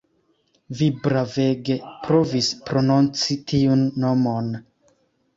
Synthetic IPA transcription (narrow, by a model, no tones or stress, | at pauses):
vibɾave̞ɡe̞pɾo̞vispɾo̞nont͡sitiunːo̞mo̞n